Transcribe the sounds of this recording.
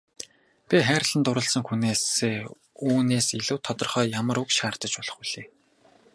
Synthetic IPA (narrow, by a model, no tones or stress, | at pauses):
pʲiχæːɾə̆ɮə̆nt̪ʊɾə̆ɮsə̆ŋxuneːseː | uːneːseɮŭwt̪ʰɔt̪ɞ̆rχœːjamə̆ɾukʃaːr̥t̪ə̆t͡ɕpɔɮ̥ɞ̥̆χuɮeː